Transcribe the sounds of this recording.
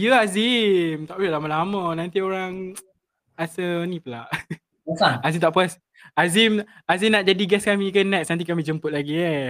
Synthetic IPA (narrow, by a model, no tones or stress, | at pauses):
jəazimt̪aʔpɛʔlamalamənãnt̪ioɾaŋ | asənĩpəla̰ʔ | əsaazimt̪aʔpuas | azim | azimnaʔ̪̚d͡ʒadiɡɛskamĩkənɛksnant̪̬ikamĩd͡ʒəmpət̪̚laɡi